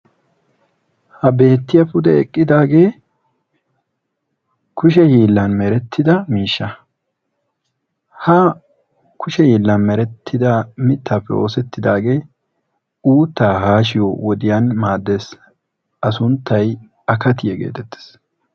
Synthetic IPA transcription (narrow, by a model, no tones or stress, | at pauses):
hɐbe̞ːt̪ːɪjɐpʊd̪ɛɛkʼːɪd̪aːɡe̞ː | kʊʃɛhiːlːɐnmɛɾɛt̪ʰːɪd̪ɐmiːʃːɐ | hɐ | kʰʊʃɛhiːlːɐnmɛɾɛt̪ʰːɪd̪ɐmɪt̪ːaːpːɛʔo̞ːsɛt̪ːɪd̪aːɡe̞ː | uːt̪ːaːɦaːʃɪjowɔd̪ɪjanmaːd̪ːe̞s | ɐsʊnt̪ːɐj | ɐkɐt̪ɪjɛɡe̞̰ːt̪ɛt̪ːe̥s